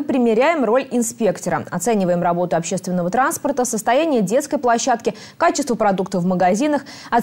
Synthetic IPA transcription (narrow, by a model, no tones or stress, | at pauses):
ɨpɾʲɪmʲɪɾʲæjɪmro̞lʲɪnspʲekt̪əɾə̰ɐt̪sɛnʲɪvəjɪmrɐbo̞t̪ʊɐpɕːest̪vʲɪnːəvət̪ɾanspərt̪əsəst̪ɐjænʲɪjədʲe̞t̪skəjplˠɐɕːat̪kʲɪ | kat͡ɕɪst̪vəpɾɐd̪uk̚t̪əvməɡɐzʲinəx | ɐ